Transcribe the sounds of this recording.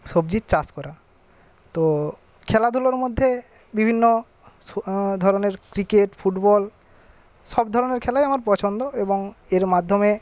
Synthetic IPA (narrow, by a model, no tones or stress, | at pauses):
ʃobd͡ʑit̪t͡ɕaskɔɾa | t̪o | kʰɛlad̪ʱuloɾmod̪ʱːe | bibʱinːo | d̪ʱɔɾoneɾkɾikeʈfʰuʈbɔl | ʃɔbd̪ʱɔɾoneɾkʰɛlajamaɾpɔt͡ɕʰond̪oeboŋeɾmad̪ʱome